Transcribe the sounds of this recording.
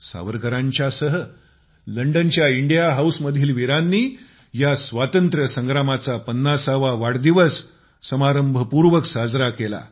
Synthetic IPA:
sa̰ʋəɾkəɾãɲt͡ɕjasəɦə | ləɳɖənt͡ɕjaiɳɖijaɦawsməd̪ʱiːlʋiɾanːiː | jasʋat̪ənt̪ɾəsəŋɡɾamat͡sapənːasaʋaʋaɽd̪iʋəsː | əmaɾəmbʱəpuɾʋəksad͡zɾakela̰

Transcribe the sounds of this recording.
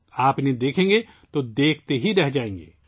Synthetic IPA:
aːpned̪eːkʰẽːŋɡe | t̪od̪eːkʰt̪eɦiɾɛɦd͡ʒaːẽːŋɡḛː

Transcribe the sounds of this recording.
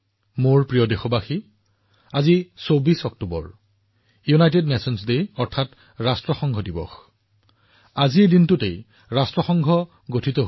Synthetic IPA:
moɹpɹijɔdexɔbaxi | azisobisɔk̚tubɔ̰ɹ | junajtednesɔnsdeɔɹtʰat | ɹastɹɔxɔŋɡʱɔdibɔ̰x | aziedintʊtej | ɹastɹɔxɔŋɡʱɔ | ɡotʰitɔɦ

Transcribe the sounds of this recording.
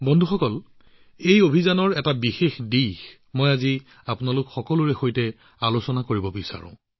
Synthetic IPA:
bɔndʱuxɔkɔl | ejobʱizanɔɹɛtabixexdix | mojazi | apʊnalʊkxɔkɔlʊɹɛxojtɛ | alosɔnakoɹibɔbisa̰ɹʊ̰̃

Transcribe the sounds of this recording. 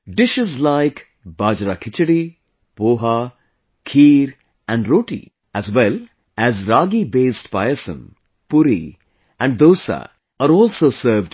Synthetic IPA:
ɖɪʃɪzlaɪk | baːd͡ʒɾakʰɪt͡ʃəɽi | poːɦa | kʰiːɾ | ɛ̃ɳɖɾoːʈḭ | æzwɛl | æzɾaːɡibeːsʈpa̰ɪəsə̰̃n | pʊɾḭ | ɛ̃ɳɖ̚d̪oːsa̰ | aɾɔːlsoːsəɾvɖ

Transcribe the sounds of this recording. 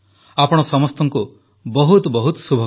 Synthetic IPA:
apɔɽ̃ɔsɔmɔst̪ɔŋku | bɔɦut̪ɔbɔɦut̪ɔ̥subʱɔ

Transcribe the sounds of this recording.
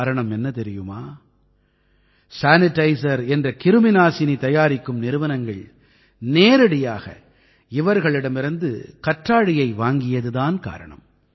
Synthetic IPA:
ɾɐɳɐmɛnːɐt̪ɛɾɪjɯmaː | saːnɪʈːɐɪsɐɾɛndrɐkɪɾɯmɪnaːsɪnit̪ɐjaːɾɪkːɯmnɪɾɯʋɐnɐŋɡɐɭ | neːɾɐɽɪjaːɣɐ̰ | ɪʋɐɾɣɐɭɪɽɐmɪɾɐnd̪ɯ̰kɐʈraːɽɪjɐɪʋaːŋɡɪjɐðɯðaːnka̰ːɾɐ̰ɳɐ̰m

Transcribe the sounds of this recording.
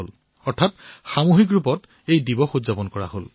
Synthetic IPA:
ol | ɔɹtʰatxamuɦik̬ɹupɔt | ejdibɔxozapɔnkɔɹa̰ɦol

